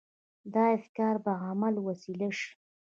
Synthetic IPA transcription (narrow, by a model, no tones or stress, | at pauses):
d̪ɑɪfkɑɾbaɣamalwasilaʃi̥